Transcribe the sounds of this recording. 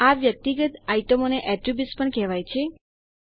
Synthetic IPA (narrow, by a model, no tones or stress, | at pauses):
aʋjək̚t̪iɡət̪aiʈəmoneʔɛʈɾibjuspəɳkɛʋajt͡ʃʰe